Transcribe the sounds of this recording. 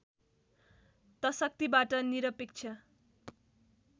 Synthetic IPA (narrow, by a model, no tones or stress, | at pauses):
t̪ʌsʌk̚t̪ibaʈʌniɾʌpek̚t͡sʰʌ